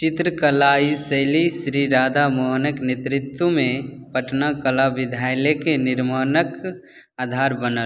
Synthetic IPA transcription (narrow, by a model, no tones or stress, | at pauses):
t͡ʃɪt̪ɾəkəlaːiseːlisɾiɾaːd̪ʱamoɦnəknet̪ɾɪt̪wəmẽpəʈnakəlaʋɪd̪ʱaːjlekenɪɾmaːnək | aːd̪ʱaːɾbənəl